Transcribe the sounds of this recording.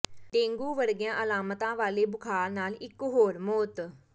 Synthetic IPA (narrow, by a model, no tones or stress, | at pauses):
ɖẽːŋɡuːʋəɾɡɪjãːʔəlaːmət̪ãːʋaːleːbʊkʰaːɾnaːlɪkːɦoːɾmoːt̪